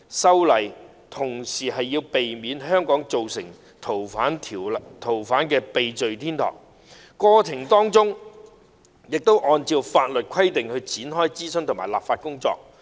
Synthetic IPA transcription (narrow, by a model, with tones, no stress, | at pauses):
sɐ˥wlɐ˨˩j | t̪ʰʊ˨˩ŋsiː˨˩ɦɐ˨jːiː˧wpe˨jmiː˨˧˥nɦœː˥ŋkɔː˨˥ŋt͡so˨wsɪ˨˩ŋ | t̪ʰo˨˩wfaː˨˥nt̪ʰːt̪ʰo˨˩wfaː˨˥nkɛː˧pe˨jt͡ʃɵ˨ɥt̪ʰiː˥nt̪ʰɔ̰ː˨˩ŋ | kɔː˧t͡sʰɪ˨˩ŋt̪ɔː˥ŋt͡sʊ˥ŋ | jɪ˨k̚t̪o˥wʔɔː˧nt͡siː˧wfaː˧t̚lɵ˨t̚kʰɐ˥jt̪ɪ˨ŋhɵ˧ɥt͡siː˨˥nɦɔː˥jt͡siː˥sɵ˥nt̪ʰʊ˨˩ŋmaː˨˩jlaː˨pfaː˧t̚kʊ˥ŋt͡sɔ̰ː˧k̚